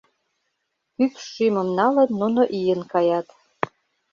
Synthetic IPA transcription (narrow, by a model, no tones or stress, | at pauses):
kykʃyməmnɑlə̆nnːunoʔijənkɑjɑt̪